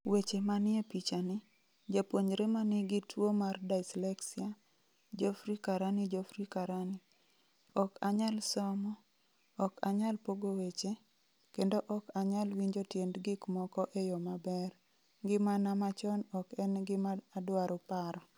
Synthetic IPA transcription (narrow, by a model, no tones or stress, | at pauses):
wet͡ʃemanjepit͡ʃanɪ | d͡ʒapwoɲɾemanɪɡɪtwomardaɪslɛksia | d͡ʒofɾikaɾanɪd͡ʒofɾikaɾanɪ | ɔkaɲalsɔmɔː | kaɲalpoɡowet͡ʃe | kendoʔɔkaɲalwiɲd͡ʒotjendɡɪkmɔkɔʔejɔmabɛr | ɡɪmanamat͡ʃɔnɔkɛnɡɪmaadwaɾopaɾɔ